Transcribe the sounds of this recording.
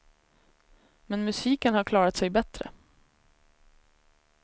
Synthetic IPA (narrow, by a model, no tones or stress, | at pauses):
mɛnmɵsiːkənhaɾkʰlɑːɾat̪sɛjbɛt̪ɾə̰